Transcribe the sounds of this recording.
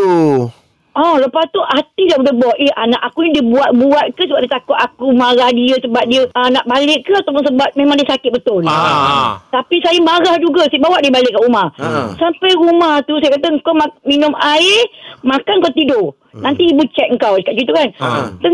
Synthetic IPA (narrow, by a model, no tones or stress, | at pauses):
ɔləpast̪uʔat̪idaʔbəlɛhbɔʔɛhanaʔakuɲədiəbuat̪̚buat̪̚kəsəbap̚diət̪akʊt̪̚akumaɾahdiəsəbap̚diəənaʔbalɪkːəat̪awp̬ʊnsəbap̚mẽmãŋdiəsakɪt̪̚bət̪ʊl | t̪apisajəmaɾahd͡ʒuɡəsibawaʔdiəbalɪʔkːaʔumahsampajɾumaht̪usajəkat̪əŋkamaminʊmaɪmakanŋkat̪idoʔ | nãnt̪iːbut͡ʃɛk̪̚ŋkawdəkaʔ̚d͡ʒit̪̬ukant̪ə